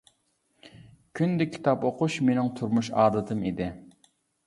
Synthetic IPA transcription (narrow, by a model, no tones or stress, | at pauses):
kʲʰynd̪ɪkʲʰːi̥t̪ʰɑpoqʊʃmenɪŋt̪ʰuɾmuʃɑːd̪ɨt̪ʰɨmid̪ɪ